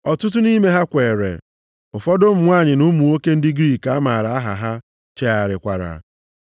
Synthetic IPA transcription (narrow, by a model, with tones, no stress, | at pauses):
ɔ˨tʊ˦t̬ʊ˦ni˦me˦ɦa˦kʷe˨ɾḛ˨ | ʊ˨fɔ˦dʊ˦m̩˨ŋʷa˦˨ɲɪ˨nu˦mu˨o˦ke˦n̩˦dɪ˦ɡɾiː˦˨ka˦ma˨ɾa˨a˦ɦa̰˨ɦa˦ | t͡ʃe˦a˨ɾɪ˨kʷa˨ɾa̰˨